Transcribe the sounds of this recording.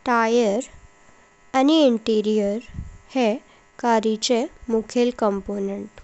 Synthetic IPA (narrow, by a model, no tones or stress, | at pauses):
ʈajəɾ | aniiɳʈiɾijəɾhe | kaɾit͡ɕemukʰelkəmponeɳʈ